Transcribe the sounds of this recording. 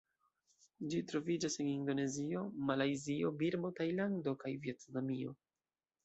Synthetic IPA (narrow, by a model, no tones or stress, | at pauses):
d͡ʒitɾo̞vid͡ʒasenindo̞ne̞zio̞malajzio̞biɾbo̞tajlando̞kajvjetnamio̞